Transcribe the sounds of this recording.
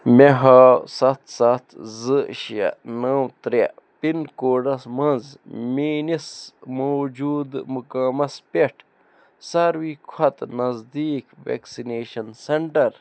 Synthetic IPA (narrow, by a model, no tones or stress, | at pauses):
meɦaːsɐt̪ʰsɐt̪ʰzɨʃɐ̰nɐwt̪ɾḛ | pinkoːɖɐsmɐ̃nzmiːnismoːd͡ʒuːd̪mukaːmɐspeʈʰ | sɐɾwiːkʰɐt̪nɐzd̪iːkʋḛːksineːʃɐnseɳʈɐɾ